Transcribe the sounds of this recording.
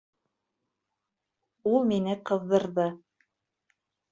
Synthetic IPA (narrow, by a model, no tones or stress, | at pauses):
ulˠminɘqɤ̆ðːɤ̆ɾðɤ